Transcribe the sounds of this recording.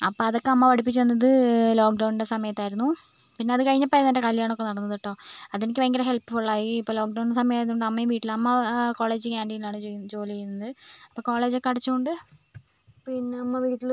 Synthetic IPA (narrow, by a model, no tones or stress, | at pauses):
ɐpːoːɐðo̞kːeɐmːɐpɐɽipːit͡ɕːenːɐðɨlo̞ːkɖɐwnɽe̞sɐmɐjɐt̪ːaːjiɾunːu | pinːeɐðɨkɐɻiɲːɐpːɐjnɐndekɐlijaːɳo̞kːe̞nɐɽɐnːɐðoʈːo̞ːɐðenikʲːɨʋɐŋɡɐɾeɦe̞lpɨfoɭːaːjiːpːoːloːk̚ɖɐwnsɐmɐjaːjɾunːoɳɖɐmːɐjumʋiːʈːilɐmːɐko̞ːɭe̞ːd͡ʑɨkaːndijilaːɳɨot͡ɕo̞ːliejːunːɐðɨɐpːoːko̞ːɭe̞ːd͡ʑekːɐɽɐt͡ɕːuoɳɖɨ | pinːeɐmːɐʋiːʈːil